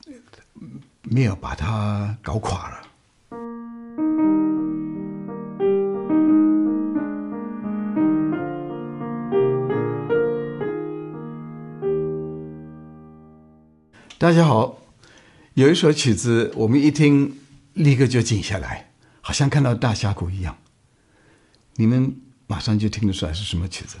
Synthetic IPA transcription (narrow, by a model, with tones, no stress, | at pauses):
me˨˧˥ɪjo˨˩ʊpa̰˨˩t̪ʰa˦kɑ˨˥ʊkʰwa̰˨˩lə̰˦ | t̪a˥˧˩t͡ɕja˥xɑ˨˩˦ʊ | jo˨˩ʊi˥ʂ̩˧˥ʊt͡ɕʰy˨˩d͡zɹ̩˧wʔɔ˨˩mə˦ni˥˩t̪ʰi˥ŋ | li˥˧ɡə˥˧t͡ɕjo˥˧ʊt͡ɕi˨˩ŋɕja̰˥˩la̰˧˥˦ɪ | xɑ˨˩ʊɕjɑ˥˧ŋkʰa˥˧nt̪ɑ˥˧ʊt̪a˥˩ɕja˥kʰu˨˩i˧˥jɑ̰˥˩ŋ | ni˨˩mə˦n | ma˨˩ʂɑ˥˧ŋt͡ɕjo˥˩ʊt̪ʰi˥ŋlə˨ʂʰu˧˥la̰˧˥ʂɻ̩˥˩ʂə˧˥nmə˧t͡ɕʰy̰˨˩t͡sɹ̩˧˦